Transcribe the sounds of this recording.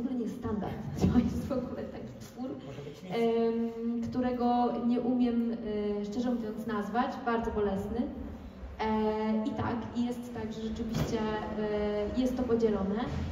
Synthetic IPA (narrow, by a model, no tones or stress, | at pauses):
vɔɡulɛɲɛjɛst̪ːt̪and̪a̰ɾt̪t̪ɔjɛst̪vɔɡulɛt̪akʲi̥t̪fuɾ | kt̪uɾɛɡɔɲɛʔumʲjɛmʂt͡ʂɛʐɛmuvʲjɔnt̪snazvat͡ɕbaɾd̪zɔbɔlɛsnɘ | it̪a̰kijɛst̪ːaɡʐɛʐɛt͡ʂɘvʲiɕt͡ɕɛ | jɛst̪ːɔpɔd͡ʑɛlɔnɛ